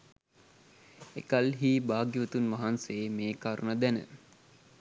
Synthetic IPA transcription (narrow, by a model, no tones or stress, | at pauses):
ekalɦiːbaːɡjiʋət̪unʋaɦansemeːkaːɾunəd̪ænə̰